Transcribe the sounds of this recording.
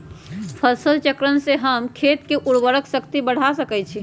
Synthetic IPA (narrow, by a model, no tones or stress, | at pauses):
pʰəsəlt͡ʃəkɾənseɦəmkʰet̪keʔuɽʋəɾəksəkt̪ibəɽ̤asəkɛt͡ʃʰi